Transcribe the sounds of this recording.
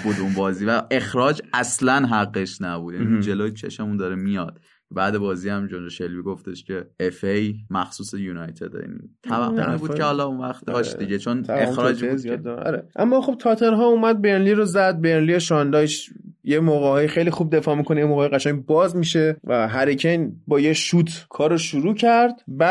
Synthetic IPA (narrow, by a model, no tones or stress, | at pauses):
b̥uːd̪unbɒːziːvæʔe̞xɾɒːd͡ʒæslænɦæɣːeʃnæbud̪̥jæniud͡ʒeloːjet͡ʃʰeʃmemund̪ɒɾemijɒd̪̥ | bæːd̪e̞bɒːziæmd͡ʒond͡ʒeʃelviɡo̞ft̪e̞ʃcʰe̞efejmæxsuːsejuːnɒjt̪ʰḛd̪ḛḭt̪ʰævæːonebuːkʰehɒːlɒunvæxt̪ɒʃd̪iɟet͡ʃʰonexɾɒːd͡ʒzijɒd̪̰ːɒ̰ɾeʔæmːɒːχxo̞b̥̚t̪ʰɒːt̪ʰeɾɦɒːumæd̪̚beɾnliɾozæd̪̚beɾnlieʃɒnd̪ɒːjʃjemoːɣehɒːjixejlixuːb̚d̪e̞fɒːmikʰonejemoːɣjɣæʃæŋbɒːzmiʃe̞væɦæɾicʰenbɒːjeʃuːt̪ʰkʰɒːɾoʃuɾuːcʰæɾd̪bæ